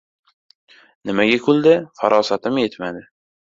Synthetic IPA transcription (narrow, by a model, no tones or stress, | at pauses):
nɪmaɡʲakʲʰʊld̪ɪfaɾʔɒsat̪ʰɪmjet̪mad̪ɪ